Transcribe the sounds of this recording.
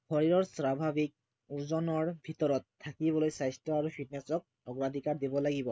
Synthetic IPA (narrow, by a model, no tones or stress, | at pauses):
xɔɹiɹɔɹsɹabʱabik̚ | uɹzɔnɔɹbʱit̪ɔɹɔt̪ʰːakibɔlojsajstɔaɹupʰit̚nɛsɔk̚ | ɔɡɹad̪ʱikaɹd̪ibɔlaɡibɔ